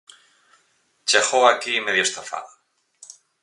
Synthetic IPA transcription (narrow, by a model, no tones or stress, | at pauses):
t͡ʃexoakimeðjost̪afa̰ð